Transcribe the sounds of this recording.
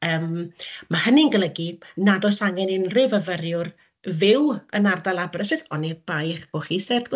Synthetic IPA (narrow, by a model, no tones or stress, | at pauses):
əːmmahənɪnɡəlˠəɡinadɔsaŋɛnɪnrɪvəvəɾjʊr | vɪwənardalˠabrəsɪθɔnib̥ajχb̥oχisɛrdɡ